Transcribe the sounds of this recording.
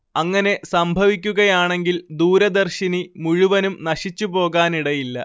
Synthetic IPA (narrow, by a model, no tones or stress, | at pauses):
ɐŋːɐne̞sɐmbʱɐʋikʲːuɣɐjaːɳe̞ŋɡild̪uːɾɐd̪ɐrɕinimuɻuʋɐnumnɐɕit͡ɕːupo̞ːɣaːniɽɐjilːɐ